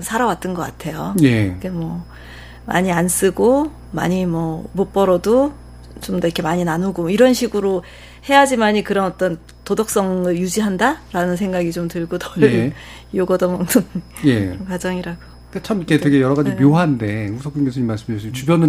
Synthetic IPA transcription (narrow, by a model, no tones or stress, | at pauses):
sʰaɾawat̚t͈ɯnɡʌk͈a̰tʰe̞jojekemwʌ | ma̰ɲians͈ɯɡo | ma̰ɲimwʌmop͈ʌɾʌdo | t͡ɕomdʌiɾkʰe̞maɲinanuɡomiɾʌnɕʰiɡɯɾo | he̞jad͡ʑimaɲikɯɾʌnʌt͈ʌn | todʌk̚s͈ʌŋɯɭjud͡ʑiɦandaɾanɯnsʰe̞ŋɡaɡit͡ɕomtɯɭɡotʰʌ | joɡʌdʌmaŋtʰɯŋjeɾʌnkwad͡ʑʌŋiɾaɡo | ket͡ɕʰamikʰetweɡe̞jʌɾʌɣad͡ʑimjoɦande̞husʰʌk͈inɡesʰɲimːaɭs͈ɯmot͡ɕubjʌnɯ